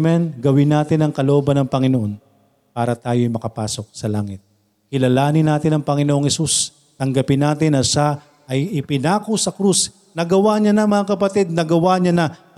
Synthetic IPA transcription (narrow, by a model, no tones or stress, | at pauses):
mɛnɡɐwɪnaːt̪ɪnɐŋkɐloʔo̞ːbɐnɐŋpɐŋɪnoʔo̞n | paːɾɐt̪aːjojmɐkɐpaːso̞k̚sɐlaːŋɪt̪̚ | kɪlɐlaːnɪnaːt̪ɪnɐŋpɐŋɪnoʔoŋhɛsus | t̪ɐŋɡɐpɪnːaːt̪ɪnɐʃa | ʔɐjɪpɪnaːkosɐkɾus | nɐɡɐwaɲɐnɐmɐŋakɐpɐt̪id̪̚nɐɡɐwaɲanɐ